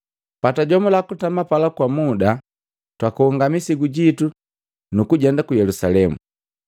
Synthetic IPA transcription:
pataɟɔmɔlakutamapalakwamuda | twakuhuŋɡamisiɡuɟitu | nukuɟɛndakujɛlusalɛmṵ

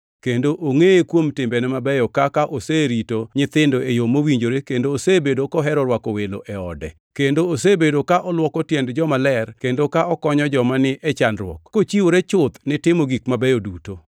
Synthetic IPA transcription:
kendoʔoŋejekwomtɪmbɛnɛmabɛjɔkakaʔoseɾitoɲɪt̪ɪndoejomowiɲd͡ʒoɾekendoːsebedokɔɦɛɾɔɾwakowelo̰ʔɛɔ̰dɛ̰ | kendoosebedokaʔɔlwɔkɔtjɛndd͡ʒɔmalɛrkendokaɔkɔɲɔd͡ʒɔmanɪʔɛt͡ʃanɾwɔ̰kkot͡ʃiwoɾet͡ʃʊt̪nɪtɪmoɡikmabɛjoduto

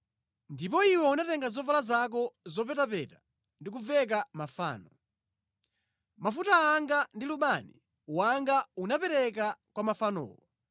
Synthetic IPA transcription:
ndipɔiwɛunatɛŋɡazɔvalazak̬ɔzɔpɛtapɛta | ndik̬uvɛk̬amafa̰ːnɔ | mafutaːŋɡandiluɓanɛ | waŋɡaunapɛɾɛkakwamafanɔ̰ːwɔ

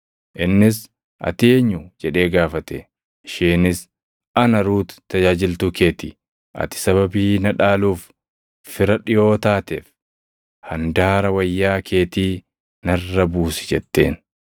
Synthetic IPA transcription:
ʔɪnːɪs | ʔɐ̰t̪ɪeɲːʊd͡ʒɛᶑe̞ːɡaːfɐt̪ɛ | ɪʃeːnɪs | ɐnɐɾuːt̪t̪ːɐd͡ʒaːd͡ʒɪlt̪uke̞ːt̪ḭː | ʔɐ̰t̪ɪ̥sɐβɐbiːnɐᶑaːluːfː | ɪɾɐᶑɪjo̞ːt̪aːt̪eːf | hɐnd̪aːɾɐwɐjːaːkʰe̞ːt̪iː | nɐrːɐbuːsɪ̥d͡ʒɛt̪ːe̞̰ːn

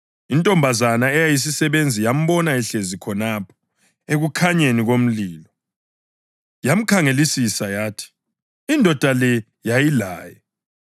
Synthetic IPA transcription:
intʼɔmbʱazanaɛjajis̬isɛβend͡zʱijam̩βɔnaɛɬezikʰɔnaːpʰɔ̥ | eɣukʰaɲeniɣom̩liːlɔ | jam̩kʰaŋelisisajaːtʰi̥ | indʱɔd̥ʱalɛ | jajilaːjɛ

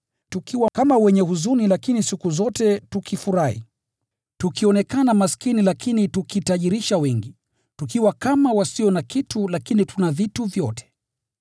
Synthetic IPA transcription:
tukʰiwakamawɛɲɛhuzunilakinisikuzɔtɛtukʰifuɾahḭ | tukiɔnɛkanamaskinilakʰinitukitaʄiɾiʃawɛŋɡi | tukiwakamawasiɔnakitʰulakinitʰunavituvjɔtʰɛ̥

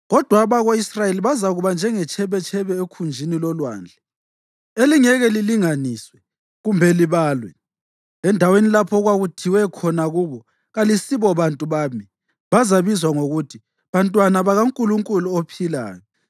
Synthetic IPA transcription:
ɣɔd̥ʱwaβaɣoisrajeliβazaɣuβand͡ʒʱɛŋɛt͡ʃʰɛβɛt͡ʃʰɛβɛekʰund͡ʒʱinilɔlwa̰ːnd͡ɮʱɛ | eliŋɛɣɛliliŋaniːswɛ | ɣumbʱɛliβaːlwɛ | ɛndʱawenilapʰɔɣwaɣutʰiwɛkʰɔnaɣuβɔ | ɣalisiβɔβantʼuβaːmi | βazaβizwaŋoɣutʰi | βantʼwanaβaɣaŋkʼuluŋkʼuluopʰila̰ːjɔ

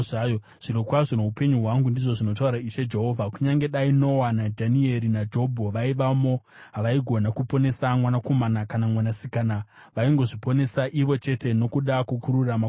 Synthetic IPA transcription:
ajo | ʐ̥inokwaʐono̞upe̞ɲuɦwaŋɡundiʐo̞ʐino̞t̬auɾaiʃed͡ʒe̞ɦo̞ːvʱakuɲaŋɡe̞ɗaino̞wanadʱanie̞ɾinad͡ʒo̞bʱoʋaiʋamo̞ | ɦaʋaiɡʱo̞nakupo̞ne̞samwanako̞manakanamwanasikana | ʋaiŋɡo̞ʐipo̞ne̞saʔiʋo̞t͡ʃe̞te̞no̞kuɗakukuɾurama

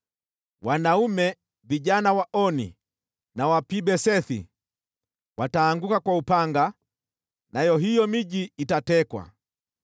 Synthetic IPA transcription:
wanaumɛ | viʄanawaʔɔnḭ | nawapibɛsɛθḭ | wataːŋɡukakwaupaŋɡa | najɔɦijɔmiɟiːtatɛkwa̰

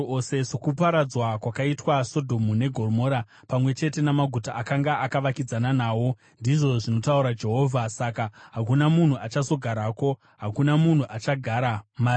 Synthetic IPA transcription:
osesokupaɾad͡zwakwakaitwaso̞dʱo̞mune̞ɡʱo̞rmo̞ːɾa | pamwe̞t͡ʃe̞te̞namaɡʱutaʔakaŋɡaʔakaʋakid͡zananaːwo̞ | ndiʐo̞ʐino̞tauɾad͡ʒe̞ɦoːvʱasakaɦak̬unamun̤uat͡ʃazo̞ɡʱaɾaːko̞ | ɦakunamun̤uʔat͡ʃaɡʱaːɾam

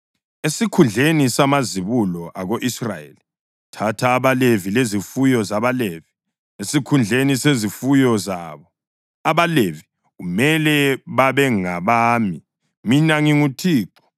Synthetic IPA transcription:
esikʰund͡ɮʱenisamaziβulɔʔaɣoʔisrajḛli | tʰatʰaːβalevilezifujɔzaβalevi̥ | esikʰund͡ɮʱenisezifujɔzaβɔ | aβalevi | ɣumɛlɛβaβɛŋaβaːmi | minaŋiŋutʰiːǁɔ̥

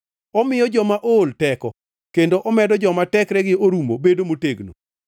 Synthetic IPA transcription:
ɔmɪjɔd͡ʒɔmaʔoltɛkɔ | kendoʔɔmɛdɔd͡ʒɔmatɛkɾɛɡɪoɾumobedomoteɡno̰

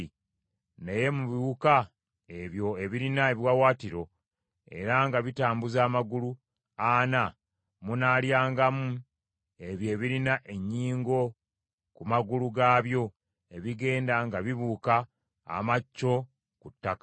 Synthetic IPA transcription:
neje̞muβiβuka | e̞βjo̞e̞βiɾinaeβjwawaːtiɾo̞ | e̞̰ɾaŋɡaβitaːmbuzaːmaɡulu | ana | munaːljaːŋɡamu | e̞βjeːβiɾinaʔe̞ɲːiːŋɡo̞ | kumaɡuluɡaːβjo̞ | e̞βiɡe̞ːndaŋɡaβiβuːka̰ː | macːo̞ | kutːakḁ

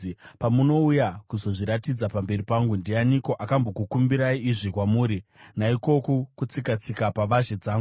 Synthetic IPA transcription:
pamuno̞ujakuzo̞ʐiɾatid͡zapambe̞ripaŋɡundeaniko̞ʔakambo̞kukumbiɾaiiʐikwamuːɾinaiko̞kokut͡sikat͡sikapaʋaʒed͡zaːŋɡu

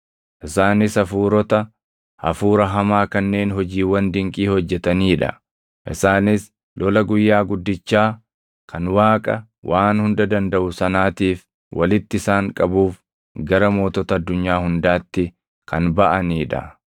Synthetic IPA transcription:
ʔɪsaːnɪsɐfuːɾɔt̪ɐ | hɐ̰fuːɾɐɦɐmaːkɐnːe̞ːnɦɔd͡ʒiːwɐnd̪ɪŋkʼiːhɔd͡ʒːɛt̪ɐniːᶑɐ̰ | ʔɪsaːnɪs | lɔlɐɡʊjːaːɡʊd̪ːɪt͡ʃːaː | kʰɐnwaːkʼɐ | wʔaːnhʊnd̪ɐd̪ɐnd̪ɐʔʊsɐnaːt̪iːf | wʔɐlɪt̪ːɪɪsaːŋkʼɐbuːf | ɡɐɾɐmo̞ːt̪ɔt̪ɐːd̪ːʊɲːaːhʊnd̪aːt̪ːɪ | kʰɐnbɐʔɐniːᶑɐ̰

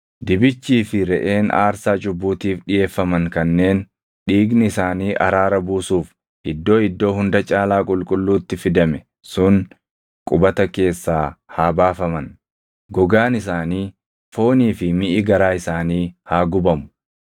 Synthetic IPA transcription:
d̪ɪbɪt͡ʃːiːfɪɾɛʔe̞ːna̰ːɾsaːt͡ʃʼʊbːuːt̪iːfɗɪje̞ːfːɐmɐŋkɐnːe̞ːn | ɗiːɡnɪɪsaːniːʔɐɾaːɾɐbuːsuːf | ʔɪd̪ːo̞ːɪd̪ːo̞ːɦʊnd̪ɐt͡ʃʼaːlaːkʼʊlkʼʊlːuːt̪ːɪfɪd̪ɐmɛ | sʊŋ | kʼʊbɐt̪ɐke̞ːsːaːhaːbaːfɐmɐn | ɡɔɡaːnɪsaːniː | fo̞ːniːfɪmɪʔɪɡɐɾaːɪsaːniːhaːɡʊbɐmʊ̥

